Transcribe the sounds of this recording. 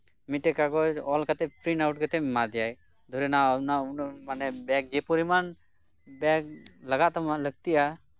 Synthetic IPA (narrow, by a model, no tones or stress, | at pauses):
miʈekaɡɔɔːlkat̪epɾinawʈkət̪emad̪ijaj | d̪ʱoɾenanaunmanebɛːk̚d͡ʒepuɾiman | bɛːk̚ləɡat̪amaləɡt̪ia